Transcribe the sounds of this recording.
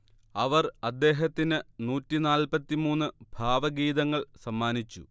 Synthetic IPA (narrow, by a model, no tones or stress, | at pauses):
ɐʋɐrɐd̪ːe̞ːɦɐt̪ːinɨnuːtːinaːlpɐt̪ːimuːnːɨbʱaːʋɐɡiːðɐŋːɐɭsɐmːaːnit͡ɕːṵ